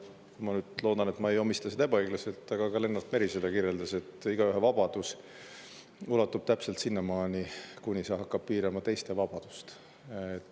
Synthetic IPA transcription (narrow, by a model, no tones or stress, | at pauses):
kumɑnyːd̪̥lo̞ːd̪̥ɑne̞t̪mɑe̞jo̞mist̪ɑsed̪ɑebɑeɡ̥lɑse̞lt̪ːˑɑɡ̥ɑkɑle̞nːɑlt̪meɾiselekiɾjeld̪ɑse̞t̪ːˑiɡ̥ɑyɦevɑb̥ɑd̪̥us | ulɑt̪ːub̥t̪æpse̞lt̪sinːɑmɑːnʲikunʲisɑɦɑkːɑb̥̚piːɾɑmɑt̪e̞jst̪e̞vɑb̥ɑd̪̥u̥st̪ | et̪ː